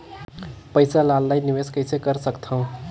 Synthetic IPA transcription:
pəjsalalːajniʋeskəɪsekəɾsəkt̪ʰə̃

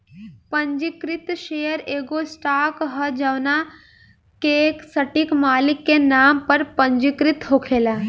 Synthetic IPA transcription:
pə̃ɲd͡ʒikɾɪt̪ʃejəɾeːɡosʈaːkɦəd͡ʒɐʋna | keksəʈikmaːlɪkːenaːmpəɾpə̃ɲd͡ʒikɾɪt̪ɦoːkʰeːlaː

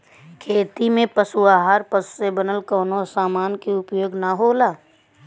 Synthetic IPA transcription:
kʰeːt̪imẽpəsuaːɦaːɾpəssebənəlkɔːnosaːmaːnkeʊpjoːɡnaɦoːlaː

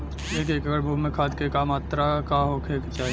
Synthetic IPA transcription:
eːkeːkəɡəɾbʱuːmẽkʰaːd̪kekamaːt̪ɾakaɦokʰeːkt͡ʃaːɦ

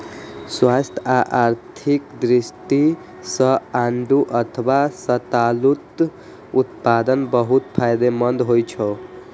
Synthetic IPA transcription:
swast̪ʰaʔaɾt̪ʰikd̪ɾisʈi | sʌaɳɖuʔʌt̪ʰwasʌt̪alut̪ | ut̪pad̪ənbʌɦut̪pʰajd̪emʌnd̪ɦojt͡ʃʰʌ

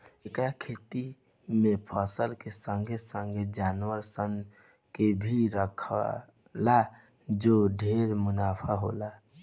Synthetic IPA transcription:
ekɾakʰet̪i | mẽpʰəsəlkesə̃ŋɡʱesə̃ŋɡʱed͡ʒaːnwəɾsən | kebʱiɾəkʰ | la | d͡ʒoɖʱeɾmʊnaːpʰaɦola

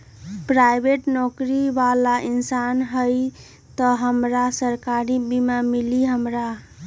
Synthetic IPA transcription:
pɾajbeʈnɔkɾibalaʔinsanɦəj | t̪əɦəmɾasəɾkaɾibimamiliɦəmɾa

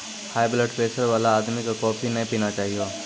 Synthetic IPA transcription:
haːjbleʈpeːsəɾʋaːlaːd̪mikakɔːpʰinɐĩpiːnat͡ʃaːɦioː

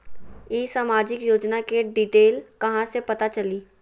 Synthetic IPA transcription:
iːsaːmaːd͡ʒɪkjoːd͡ʒnakeɖiːʈeːlkɐɦãsepɐt̪at͡ʃɐliː

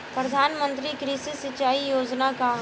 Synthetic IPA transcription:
pɾɐd̪ʱaːnmə̃nt̪ɾikɾisisɪt͡ʃaːijoːd͡ʒnaka

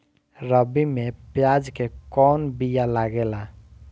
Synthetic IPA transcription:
ɾəbimepjad͡ʒkekɔnbijalaɡela

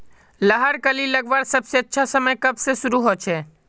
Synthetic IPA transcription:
ləɦəɾkəliləɡʋaɾsəbseətːʃʰasəməjkəbsesʊɾuɦot͡ʃʰɛ

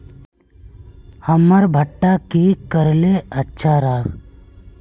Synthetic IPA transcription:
həməɾbʱəʈːakikəɾleətːʃʰaɾaːɡ

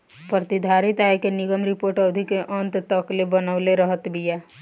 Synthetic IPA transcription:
pɾət̪ɪd̪ʱaːɾɪt̪aːekenɪɡəmɾɪpoːɾʈəʋd̪ʱikeʔə̃nt̪t̪əklebənəʊleɾəɦət̪bijaː

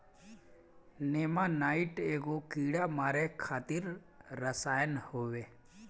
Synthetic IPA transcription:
neːmanaːɪʈeːɡokiːɽamaːɾekʰaːt̪ɪɾː | əsaːjənhoːʋeː

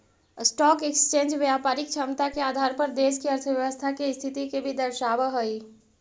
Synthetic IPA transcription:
sʈɔkekst͡ʃẽnd͡ʒʋjapaɾik̚t͡ʃʰəmt̪akeaːd̪ʱaɾpəɾd̪eskeəɾt̪ʰəʋjəʋəst̪ʰakest̪ʰit̪ikebʱid̪əɾʃaʋəɦəj

